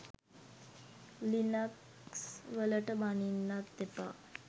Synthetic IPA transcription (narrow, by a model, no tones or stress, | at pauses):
linək | sʋələʈəmaninːat̪̚d̪epa̰